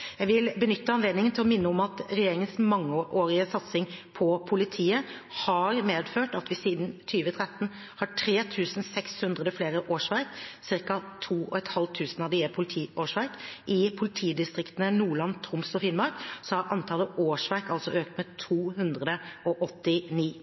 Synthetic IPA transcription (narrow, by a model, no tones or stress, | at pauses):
jæɪʋɪlbənʏt̪ːəɑnleːd̪nɪŋənt̪ɪlɔmɪnːəɔmɑt̪ɾɛjeːɾɪŋənsmɑŋːəʔoːɾɪəsɑt̪sɪŋpʰɔpʰʊlɪt̪ʰiːə | hɑɾmeːd̪føːʈɑt̪ʋɪsiːd̪nt̪ʰyːʋət̪ʰɾɛt̪ːən̩ | hɑʈʰɾeːt̪ʰʉːsn̩sɛkshʉnd̪ɾəd̪əfleːɾəʔoːʂʋæɾksɪɾkɑt̪ʰuːɔ̰ɛt̪hɑlt̪ʰʉːsn̩ɑʋd̪ɪɛpʰʊlt̪ʰiːoːʂʋæɾkʔɪpʰʊlɪt̪ʰiːd̪ɪst̪ɾɪkt̪ənənuːɭɑnt̪ʰɾʊmsɔfɪnmɑɾksɔhɑɾʔɑnt̪ʰɑːlːəʔoːʂʋæɾkɑlsɔ̰ʔøːkt̪mɛt̪ʰuːɦʉnd̪ʁəd̪əɔʔɔt̪ːɪniː